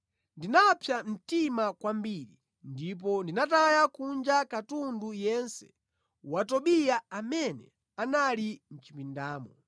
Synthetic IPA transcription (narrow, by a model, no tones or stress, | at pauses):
ndinapʰjam̩timakwambiɾḭ | ndip̬ɔndinatajakund͡ʒakatundujɛnsɛ̥ | watɔɓijaamɛnɛ̰ | analin̩t͡ʃipindaːmɔ